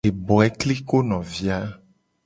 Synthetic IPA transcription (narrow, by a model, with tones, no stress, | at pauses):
e˨bɔ˨ɛ˦kli˦ko˦nɔ̃˨vi˨˦a˦